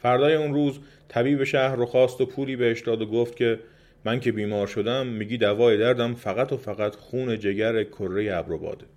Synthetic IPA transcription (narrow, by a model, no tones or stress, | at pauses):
fæɾd̪ɒːjeunɾuːz | t̪ʰæbiːbe̞ʃæhɾoxɒːst̪opʰuːliːbeheʃd̪ɒːd̪oɡoft̪̚cʲʰe̞ | mæŋcʰe̞biːmɒːɾʃo̞d̪æmːiːɡɟiːd̪ævɒːje̞d̪æɾd̪æmfæɣæt̪ʰofæɣæt̪xuːne̞d͡ʒe̞ɟæɾekʰorːe̞jeæbɾo̞bɒ̰ːd̪e